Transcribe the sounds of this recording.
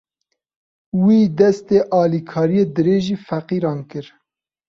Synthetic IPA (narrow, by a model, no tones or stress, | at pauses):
wiːd̪ɛst̪eːʔɑːlikʰɑːɾijeːd̪ɨɾeːʒiːfæqiːɾɑːnkɨɾ